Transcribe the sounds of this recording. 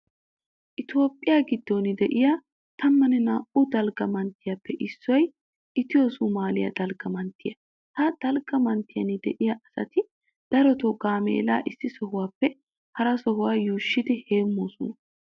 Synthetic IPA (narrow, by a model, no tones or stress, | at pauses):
ʔɪt̪o̞ːpʼːɪjaːɡɪd̪ːonɪd̪ɛʔɪja | t̪ʰɐmːɐnɛnaːʔud̪ɐlɡɐmɐnt̪ːɪjapːɛʔɪsːɔj | ʔɪt̪ɪjoːsʊmaːlɪjɐ̰d̪ɐlɡɐmɐnt̪ːɪjɐ | t̪ɐd̪̥ɐlɡɐmɐnt̪ɪjɐnɪd̪ɛ̰ʔɪjaʔɐsɐ̰t̪ɪ | d̪̥ɐɾɔt̪ɔɡaːmḛːla̰ːʔɪsːɪsɔɦʊwaːpːɛ | hɐɾɐsɔhʊwaːjuːʃːɪd̪ɪheːmːoːsʊ̰n